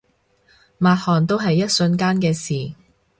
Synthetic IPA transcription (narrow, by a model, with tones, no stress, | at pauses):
maː˨˧t̚hɔː˨nt̪̬o˥wɦɐ˨jːɐ˥t̚sɵ˧nkaː˥nkɛː˧siː˨˩